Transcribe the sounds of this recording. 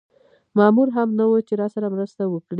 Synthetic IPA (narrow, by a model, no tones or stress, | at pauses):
mɑmuɾɦamnawət͡ʃeɾɑsaɾamɾəst̪awəkɽi